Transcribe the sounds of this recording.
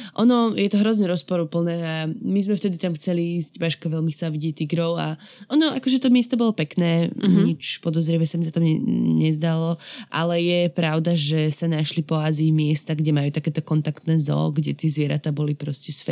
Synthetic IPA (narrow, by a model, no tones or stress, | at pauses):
ʔɔnɔjɛt̪ɔɦɾɔzɲɛɾɔspɔɾupl̩nɛːamizmɛft̪ɛd̪it̪amxt͡sɛliiːzɟbaʃkaʋɛlmixt͡sɛlaʋiɟɛc̚t̪iɡɾɔʊa̰ʔɔnɔʔakɔʒɛt̪ɔmɪɛst̪ɔbɔlɔpɛknɛːɲit͡ʃpɔd̪ɔzɾiɛʋɛsamizat̪ɔmɛɲɛzd̪alɔʔa̰lɛjɛpɾaʊd̪aʒɛsanaʃlipɔaziːmɪɛst̪aɡɟɛmajuːt̪akɛːt̪ɔkɔnt̪akt̪nɛːzɔ̰ɡɟɛ̰t̪ɪiɛzʋɪɛɾa̰t̪aːbɔlipɾɔscɛsfɛ